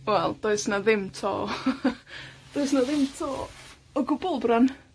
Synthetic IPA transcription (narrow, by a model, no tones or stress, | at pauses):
wɛlˠd̥oɨsnaðɪmtʰɔ̰ | d̥oɨsnaðɪmtʰɔ | ɔɡʊbɔlˠbran